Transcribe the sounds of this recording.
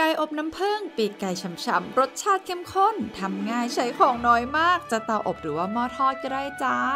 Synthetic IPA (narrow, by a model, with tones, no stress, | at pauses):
ka˧jʔo˨˩p̚na˦˥mpʰɤː˧˥˩ŋpiː˨˩kːa˧jt͡ɕʰa˧˦mt͡ɕʰa̰˧˦˥mɾo˦˥t̪̚t͡ɕʰaː˥˩t̪̚kʰe˧˥˩mkʰo˥˩nt̪ʰa˧mŋaː˧˩jt͡ɕʰa˦˥jkʰɔː˨˩ŋnɔː˦˥jmaː˥˩k̚t͡ɕa˨˩t̪a˧˩wʔo˨˩p̚ɾɯː˩˦waː˧˥˩mɔː˧˥˩t̪ʰɔː˥˩t̪̚kɔ˧˥˩daː˥˩jt͡ɕa˦˥